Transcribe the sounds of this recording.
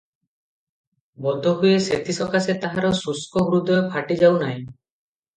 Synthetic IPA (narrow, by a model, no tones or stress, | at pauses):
bɔd̪ʱɔɦujeset̪ʰisɔkaset̪aɦaɾɔsuskɔɦuɾud̪ɔepʰaʈid͡ʒawnaj̃